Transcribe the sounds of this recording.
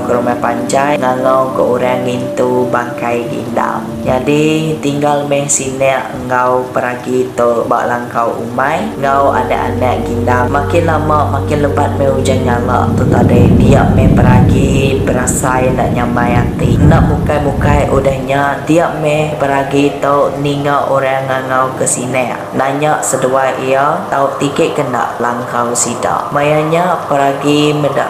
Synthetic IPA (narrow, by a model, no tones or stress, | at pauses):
kəɾumapaɲd͡ʒajŋaŋawkəʔuɾaŋint̪ubakajɡḭnda̰m | d͡ʒadit̪iŋɡalmɛhsinɛʔ | ŋawpəɾaɡit̪ɔba̰ʔlaŋkawṵmajŋawa̰na̰ʔa̰nɛʔɡindammakɪnlamaʔmakɪnləbat̪̚mɛhud͡ʒanŋaŋa̰ʔt̪ɔt̪adəd̪iaʔ̚mɛhpəɾaɡibəɾasajnaʔɲamajat̪inaʔmukajmukajʔudahɲat̪iaʔmɛhpəɾaɡit̪aʔniŋaʔoɾaŋːaŋawkəsinɛ | naɲaʔsəduajʔiat̪aʊʔt̪ikəʔkəna̰ʔlaŋkawsida̰ʔmajaɲapəɾaɡiməda̰ʔ